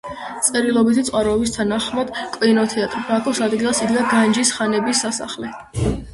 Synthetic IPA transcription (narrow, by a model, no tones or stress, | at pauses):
t̪sʼɛɾilˠɔbit̪ʰit̪sʼaɾɔːbist̪ʰanaχmad̪̥kʼvinɔt̪ʰɛat̪ʼɾbakʰɔsad̪ɡilˠasiɡd̪aɡand͡ʒisχanɛbisːasa̰χlɛ